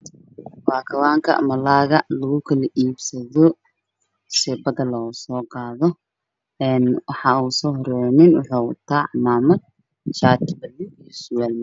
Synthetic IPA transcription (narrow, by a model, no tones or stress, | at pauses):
baːkʰɐwaːŋkʰɐ̰mɐlaːɣɐlɐɣʊkʰɐlɐʔiːbsɐðɔ | sɛbɐðɐlɐuːsɔːqɑːðɔ | ɛːnwɑħɑːuːsɔːɦɔɾɛjnɪnwʊħṵːt̪ʰaːʕmaːmɐd̪̚ | t͡ʃaːt̪ʰbɐlːɪijɔsʊwaːlmɐ